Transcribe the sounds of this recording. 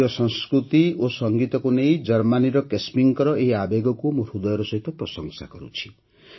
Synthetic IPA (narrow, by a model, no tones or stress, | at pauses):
ɔsɔ̃ŋskɾut̪iosɔŋɡit̪ɔkunejd͡ʒʌɾmaniɾɔkesmiŋkɔɾɔʔeɦiabeɡɔkumoɾhud̪ɔjɔɾɔsɔɦit̪ɔpɾɔsɔŋsa̰kɔɾṵt͡ʃʰi̥